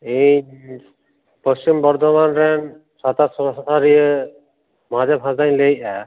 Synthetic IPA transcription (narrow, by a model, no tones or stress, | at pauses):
iɲ | pəst͡ʃimbɔɾd̪ʱɔmanɾɛn | sat̪asɔsataɾijə | mad͡ʒabɦãzaɲleja